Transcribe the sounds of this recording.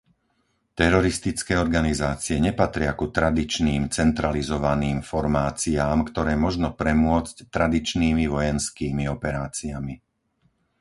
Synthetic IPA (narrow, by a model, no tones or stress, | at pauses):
t̪ɛɾɔɾist̪it͡skɛːɔɾɡanizaːt͡siɛɲɛpat̪ɾɪakut̪ɾad̪it͡ʃniːmt͡sɛnt̪ɾalizɔʋaniːmfɔɾmaːt͡siaːmkt̪ɔɾɛːmɔʒnɔpɾɛmʊɔt͡sct̪ɾad̪it͡ʃniːmiʋɔjɛnskiːmiɔpɛɾaːt͡siami